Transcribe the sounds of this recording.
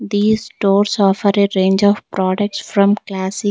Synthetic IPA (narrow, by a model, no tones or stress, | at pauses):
d̪iːzʈoːɾsɔfəɾeɾẽːnd͡ʒɔːʋpɾɔːɖək̚ʈsfɾɔ̃mklæsɪ